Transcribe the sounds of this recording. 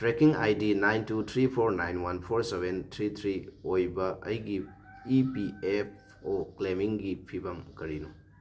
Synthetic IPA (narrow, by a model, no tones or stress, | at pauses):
tɾekiŋa̰jdinajntut̪ʰɾipʰoɾnajnwanpʰoɾsebʱent̪ʰɾit̪ʰɾiojbɐɐ̰jɡi | ipiep̚ʰ | oklemiŋɡipʰibɐmkɐɾinu